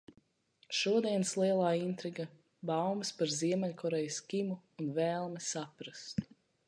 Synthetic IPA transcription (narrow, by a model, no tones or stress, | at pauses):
ʃuɔd̪iɛnslˠiɛlˠaːint̪ɾiɡa | bawmspaɾziɛmɛʎʲkʰɔɾɛjskʲimuːnvɛːlˠmɛsapɾast̪